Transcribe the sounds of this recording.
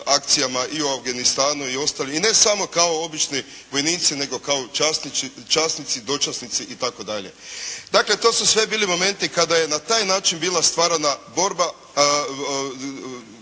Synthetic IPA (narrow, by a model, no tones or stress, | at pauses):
ak̚t̪sijamaʔiuafɡanist̪aːnuio̞st̪aːliine̞samo̞kao̞o̞bit͡ʃni | ʋo̞jniːt̪sine̞ɡo̞kaot͡ʃasnit͡ʃit͡ʃaːsnit̪sid̪o̞t͡ʃasnit̪siʔit̪ako̞d̪aʎed̪akle̞t̪o̞ːsusʋe̞biːlimo̞me̞nt̪ikad̪aje̞nat̪aːjnaːt͡ʃinbiːlˠast̪ʋaːɾanabo̞ɾba